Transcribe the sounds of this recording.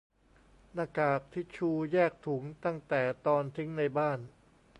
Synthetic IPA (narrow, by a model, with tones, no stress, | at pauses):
naː˧˩kaː˨˩k̚t̪ʰi˦˥˩t͡ɕʰuː˧jɛː˥˩k̚t̪ʰu˩˦ŋt̪a˥˩ŋt̪ɛː˨˩t̪ɔː˧nt̪ʰi˦˥ŋna˧jbaː˥˩n